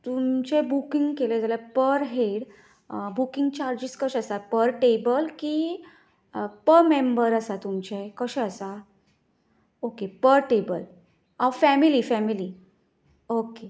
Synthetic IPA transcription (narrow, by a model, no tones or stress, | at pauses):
t̪umt͡ɕebukiŋɡkeled͡zaljapəɾɦeɽ | bukiŋɡ̚t͡ɕaɾd͡ʑiskəɕəsapəɾʈebəlkiː | pəɾmẽmbəɾəsat̪umt͡ɕekəɕɛəsa | okepəɾʈebə̰l | awfɛmilifɛmili | oke